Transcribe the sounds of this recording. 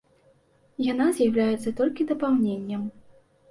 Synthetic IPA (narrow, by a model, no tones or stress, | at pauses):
janazʲjawlʲajɛt̪sɐt̪ɔlʲkʲid̪ɐpawnʲenʲːɐm